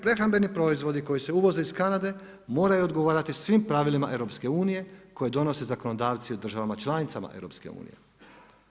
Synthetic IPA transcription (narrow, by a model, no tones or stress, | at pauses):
pɾe̞xɾambe̞nipɾo̞izʋo̞d̪iko̞jise̞uʋo̞ze̞iskanad̪e̞ | mo̞ːɾajuod̪ɡo̞ʋaːɾat̪isʋimpɾaʋilimaʔe̞ʋɾopske̞uːnije̞ko̞jed̪o̞no̞se̞zako̞no̞d̪aːʋt̪siud̪ɾr̩ʒaʋamat͡ʃlˠanit̪sama̰ʔḛɾopske̞̰ṵːnḭjḛ